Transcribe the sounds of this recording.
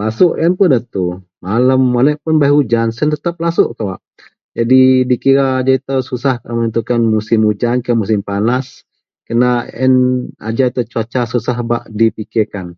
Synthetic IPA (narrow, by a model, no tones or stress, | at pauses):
lasʊʔjənpʊnət̪u | maləmːanəʔpʊnbajud͡ʒansənt̪ət̪əp̚lasʊʔkawaʔ | d͡ʒadidikiɾaːd͡ʒait̪əsusahkaʔmənənt̪ukanmusɪmud͡ʒankianmus̬ɪmpanas | kənaɛ̰na̰d͡ʒait̪ət͡ʃuat͡ʃasusaɦbaʔdipikɪrkan